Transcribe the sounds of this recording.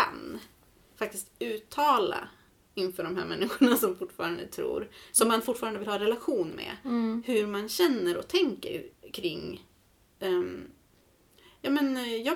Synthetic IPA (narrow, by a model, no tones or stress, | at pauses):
ka̰n | fak̚t̪ɪst̪ʉ̟ːt̪ʰːɑːla̰ | ɪnfœːɖɔmɦæ̰ːɾmɛnːɪɧʊɳasɔmfʊʈːfɑːɾand̪ə̰t̪ʰɾṵːɾsɔmːanfʊʈːfɑːɾand̪əvɪlhɑːɾɛlaɧuːnmɛ̰hɵɾmanɕɛnːəɾɔ̰t̪ʰɛŋkə̰ɾkʰɾɪŋː | jɑːmɛnjɑː